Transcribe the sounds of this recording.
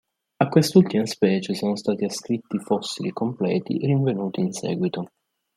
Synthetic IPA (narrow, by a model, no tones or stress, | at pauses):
akːwest̪ult̪imaspɛːt͡ʃesoːnost̪aːt̪iaskɾit̪ːifɔsːilikomplɛ̰ːt̪ḭriɱvenuːt̪iːnsɛ̰ːɡwit̪o